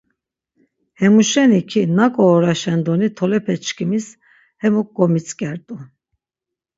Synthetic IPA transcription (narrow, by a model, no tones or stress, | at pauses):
hɛmuʃɛnikʰinakʼɔːɾaʃɛnd̪ɔnit̪ʰɔlɛpʰɛt͡ʃʰkʰimis | hɛmuk̚ʼɡɔmit͡sʰʼkʼɛɾt̪ʼu